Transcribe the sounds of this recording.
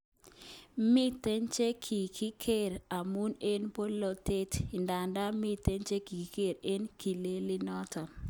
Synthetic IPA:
mi˦te˦nt͡ʃe˦kʰi˨kʰi˦kʰe˦˨ɾa˨mu˦ne˦npo˦lo˨te˦ti˨nda˨nda˦mi˦te˦nt͡ʃe˦ki˨ki˨ke˦˨ɾe˦nki˨le˦lɪ˦nɔ˦tɔ˨

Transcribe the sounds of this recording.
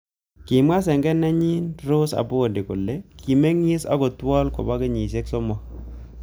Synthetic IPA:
kɪ˨ma˦s̬ɛ˨ŋɡɛ˦nɛ˦ɲi˦nɾo˦sa̰˨bo˦o˨ndi˨ko˨le˦ki˨me˦ŋɪ˦sa̰˦ɡɔ˨twɔ˦lkɔ̰˨ba˦kɪ˦ɲi˨se˦ksɔ˦mɔ˦

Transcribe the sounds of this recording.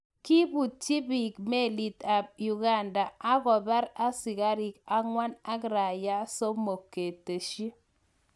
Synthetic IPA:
ki˦bu˨t͡ʃi˦bi˨kme˦˨li˨ta˨ju˨ɡa˨nda˨a˦ɣɔ˨ba˦ɾa˦sɪ˨ka˦ɾɪ˨ka˦ŋwa˦na˦kɾa˨ja˦so˦mo˨kːe˨te˨ʃi˦

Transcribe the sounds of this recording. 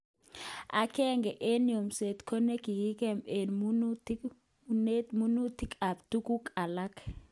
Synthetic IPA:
a˨kɛ˦ŋɡɛ˨ʔe˦njo˨mse˨t̪kʰo˦ne˦ki˨ɡi˦kɛ˦me˨nmu˦nu˦t | ne˦tmu˦nu˦ti˦ka˨p̚tu˦ku˦ka˨la˦k

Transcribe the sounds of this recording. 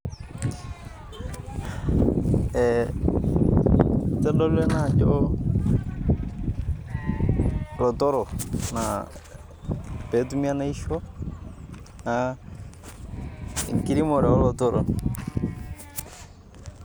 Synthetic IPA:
ɛ˨ | tɛ˦lɔ˦lɛ˦na˨d͡ʒɔ | lɔ˨tɔ˦ɾɔ˨na˨ | pe˨tu˦mi˦a˦na˦i˦ʃɔ˦ | na | ḭ˨ŋki˦ɾi˦mo˨ɾɛ˨ɔ˦lɔ˨tɔ˦ɾɔ˨n

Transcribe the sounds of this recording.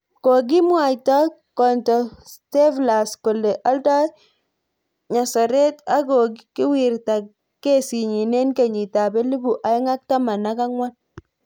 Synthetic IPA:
ko˨k̬i˦mwa˨jtɔ˦ | kɔ˨ntɔ˨ste˦vla˨sko˨le˨ʔa˦lta˦ | ɲa˨sa˨ɾe˦ta˦ɡɔ˨kikɪ˦wi˨ɾta˨ | ke˦si˨ɲi˨ne˦nke˨ɲi˨ta˨bɛ˦lu˦bu˨ʔa˨ɪ˦ŋa˦k̚ta˦ma˨na˦ka˦ŋwa˦n

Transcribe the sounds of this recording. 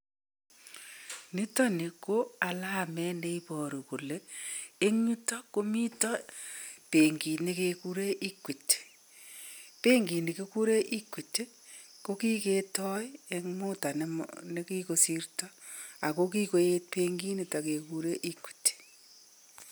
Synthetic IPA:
ni˦tɔ˦ne˨ko˦a˨la˦˨mɛ˦nde˦i˦pɔ˨ɾo˨ku˨le˨˦e˦ŋɲu˦tɔ˦ko˦mi˦tɔ˦pe˨ŋɡi˨ne˦ke˦ku˦ɾe˦ʔi˦kʷi˨t | pe˦ŋɡi˨ni˨ke˦ku˦ɾe˦ʔi˦kwi˨te˦ | ko˦ki˦ke˦tɔ˦je˦ŋmu˦ta˨nne˦ki˦ko˨si˦rtɔ˦a˨ko˦ki˦ko˦e˦t̚pe˦ŋɡi˦ni˦ta˨ke˨ku˦ɾe˦ʔi˦kwi̥˨t

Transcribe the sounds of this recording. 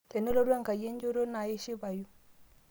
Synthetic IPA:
te˨no˦lo˦ɾu˦a˦ŋka˨je˦nd͡ʒo˦ɾo˦na˨je˦ʃi˦ba˨ju˦

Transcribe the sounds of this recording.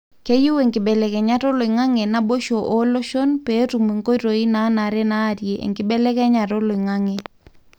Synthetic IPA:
ke˦ju˦we˨ŋkɪ˨bɛ˨lɛ˨kɛ˨ɲa˦ɾo˦lo˨i˨ŋa˦ŋe˨na˦bo˦ʃo˨ʔo˦lo˦ʃo˦npe˨˦tu˨me˨ŋko˦ɾo˨i˦na˨˦na˨ɾɛ˦na˦˨ɾje˨ʔḛ˨ŋkɪ˨bɛ˦lɛ˦kɛ˦ɲa˨ɾo˦lo˨i˨ŋa˦ŋe˨

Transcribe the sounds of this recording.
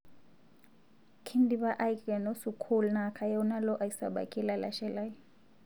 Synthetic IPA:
kʰi˦ndi˦βa˦ʔa˦jkʼɛ˨no˦su˨kʰu˦luna˨kʰa˨jɔ˦na˦lɔ˦ʔa˨i˨sa̰˨ɓa̰˨kʼi˦la˨la̰˨ʃɛ˦la˦j

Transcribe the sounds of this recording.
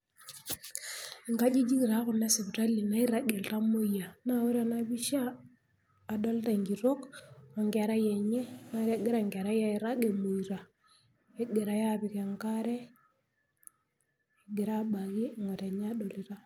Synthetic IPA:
i˨ŋka˦d͡ʒi˦d͡ʒi˦ki˨ɾa˨˦kʊ˨ne˦si˨bta˦li˨na˦i˦ɾa˦ɡe˨lta˦mo˦ja˨na˦˨wu˦ɾa˨na˦bi˦ʃaː˦˨ | do˦lta˨ŋɡi˨ɾo˦ko˨ŋɡɛ˨ɾa˦je˨ɲe˦na˦ɾe˦ɡe˦ɾa˦˨ŋɡe˨ɾa˦ja˦i˨ɾa˦ɡe˨mo˨i˨ɾa˨ | e˦ɡe˨ɾa˨ja˦bi˨ke˨ŋka˦ɾɛ˦ | i˨ɡe˨ɾa˦ɓa˨ki˦˨ŋo˨te˨ɲa˦do˨li˦ɾa˦

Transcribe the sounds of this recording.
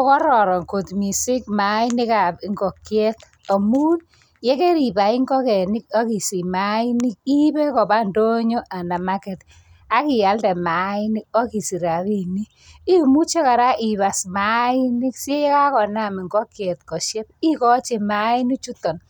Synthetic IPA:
ɔ˦kɔ˦ɾɔ˨ɾɔ˨ŋko˨tmi˨sɪ˦k̚ma˦i˦nɪ˦ka˨pŋɡɔ˨kːjɛ˦t̪ | ɔ˨mu˦t | je˦ke˦ɾi˨ba˨i˦ŋɡɔ˦kɛ˨nɪ˦kɔ˦ki˨si˨ma˦i˦ni˦k̚i˦bɛ˦kɔ˨ba˦ndo˦ɲo˦ʔa˨na˨ma˦kɛ˨t | a˦kɪ˨ja˨˦ldɛ˨ma˨i˦ni˦ko˦ki˨si˨ɾa˨βi˦ni˦ | i˦mu˦t͡ʃe˦ka˨ɾa˦ʔi˨ba˨sma˨˦i˦nɪ˦kse˦jɛ˦ka˦kɔ˨na˦˨mi˨ŋɡɔ˦kjɛ˨t̚kɔ˨ʃjɛ˦t̚i˦kɔ˦t͡ʃi˨ma˦i˦ni˦t͡ʃu˦tɔ˨n

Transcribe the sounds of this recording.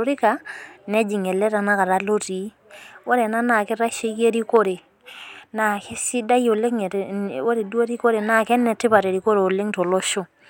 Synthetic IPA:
o˨ɾi˦ka˨nɛ˦d͡ʒi˨ŋɛ˨lɛ˦ta˨na˦ka˨ɾa˨˦lo˦ti˨˦ | wo˦ɾɛ˨na˦na˨kɪ˦ɾa˦ʃe˦ke˦ɾi˦ko˦ɾe˨ | na˨ki˦si˦da˦jo˨le˦ŋ˨wo˦ɾe˨du˦e˦ɾi˦ko˦ɾe˨na˦˨kɛ˦nːɛ˨tɪ˦pa˨te˨ɾi˨ko˦ɾe˨o˨le˦ŋto˨lo˦ʃo˦

